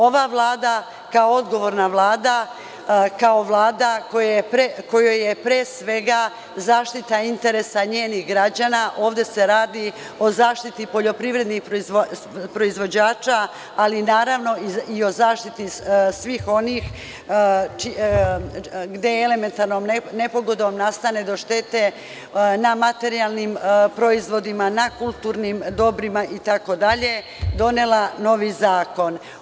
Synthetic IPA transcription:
o̞ʋaʋlˠaːd̪a | kaoo̞d̪ɡo̞ʋo̞ɾnaʋlˠaːd̪a | kao̞ʋlˠaːd̪akojepɾekojojepɾeːsʋe̞ɡa | zaːʃt̪it̪aint̪e̞ɾesaɲeːnixɡɾad͡ʑanaʔo̞ːʋd̪e̞se̞ɾaːd̪i | o̞zaːʃt̪it̪ipo̞ʎo̞pɾiʋɾe̞d̪nixpɾzo | pɾo̞izʋo̞d͡ʑaːt͡ʃaː | linaːɾaʋno̞iio̞zaːʃt̪it̪isʋixo̞nix | t͡ʃi | ɡd̪e̞ele̞me̞nt̪aɾnomnene̞po̞ɡo̞d̪omnast̪ane̞d̪o̞ʃt̪e̞t̪e̞ | namat̪e̞ɾijalˠnimpɾo̞izʋo̞d̪imanakulˠt̪uːɾnimd̪o̞bɾimaʔit̪ako̞d̪aʎe̞ | d̪o̞nelano̞ʋizaːko̞n

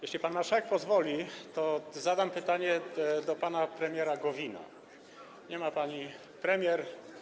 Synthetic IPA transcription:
jɛɕlʲipanːaʂɛk̚pɔzvɔlʲit̪ɔzad̪ampɘt̪aɲɛd̪ɔpanapɾɛmʲjɛɾaɡɔvʲina̰ | ɲɛmapaɲi | pɾɛmʲjɛɾ

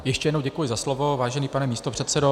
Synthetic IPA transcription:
jɛʃcɛjɛdnowɟɛkujɪzaslovovaːʒɛniːpanɛmiːst̪o̞pr̝̥ɛt̪sɛdo

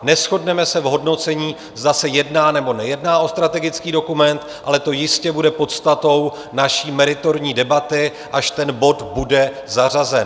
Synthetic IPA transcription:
nɛsxo̞dnɛmɛsɛvɦo̞dno̞t͡sɛɲiː | zdasɛjɛdnaːnɛbo̞nɛjɛdnaːʔo̞st̪ɾat̪ɛɡɪt͡skiːdo̞kumɛnt̪ | ʔalɛt̪ojɪscɛbudɛpo̞t̪st̪at̪o̞w | naʃiːmɛɾɪt̪o̞ɾɲiːdɛbat̪ɪ | ʔaʃt̪ɛnbo̞t̪budɛ | zar̝azɛn

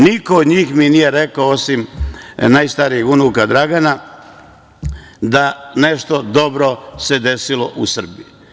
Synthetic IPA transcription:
nikoːd̪ɲiːxminijeɾe̞kaoosimnajst̪aɾijixunukad̪ɾaɡana | d̪aneʃt̪o̞d̪o̞bɾo̞sed̪e̞siloʔusr̩bi

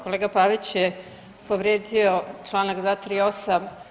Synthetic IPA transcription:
ko̞leːɡapaʋit͡ɕje | poʋɾeːd̪iot͡ʂlˠaːnakd̪ʋaːt̪ɾiːosam

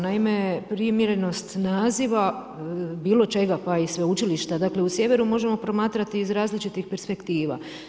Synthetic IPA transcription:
naime̞pɾimjeɾe̞no̞st̪naːziʋa | biːlˠo̞t͡ʃe̞ɡapaisʋeut͡ʃiliʃt̪ad̪akle̞usje̞ʋe̞ɾumo̞ʒe̞mo̞pɾo̞maːt̪ɾat̪iːzɾaːzlit͡ʃit̪ixpe̞ɾspe̞kt̪iːʋa̰

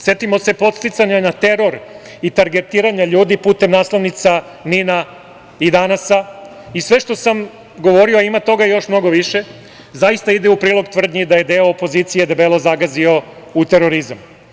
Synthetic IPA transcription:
se̞t̪imo̞se̞po̞t̪st̪it̪saɲanat̪e̞ɾo̞ɾ | it̪aɾɡe̞t̪iːɾaɲaʎuːd̪ipuːt̪e̞mnaːslˠaʋnit̪sa | nina | id̪anasa | isʋe̞ʃt̪o̞sam | ɡo̞ʋo̞ɾioaimat̪o̞ɡajo̞ʃmno̞ɡo̞ʋiʃe̞ | zaist̪aid̪eupɾiːlˠo̞ɡt̪ʋr̩d̪ɲid̪aje̞d̪e̞oːpo̞ziːt̪sije̞d̪abelo̞zaɡazio̞ | ut̪e̞ɾo̞ɾizam

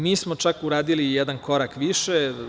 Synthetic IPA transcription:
miːsmo̞t͡ʃakuɾaːd̪ilijɛd̪anko̞ɾakʋiʃe

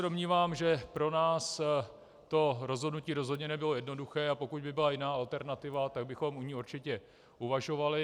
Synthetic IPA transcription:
ɛdomɲiːvaːmʒɛpɾo̞naːs | t̪o̞ɾo̞zɦodnuciːɾo̞zɦodɲɛnɛbɪlo̞jɛdno̞duxɛːapo̞kuɟbɪbɪlajɪnaːalt̪ɛɾnat̪ɪvat̪aɡ̚bɪxo̞mʔuɲɪuɾt͡ʃɪcɛ | ʔuvaʒo̞valɪ

